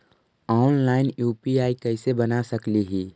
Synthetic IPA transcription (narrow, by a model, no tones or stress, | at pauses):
ɔːnlaːɪnjuːpiaːikɛɪsebɐnasɐkliɦiː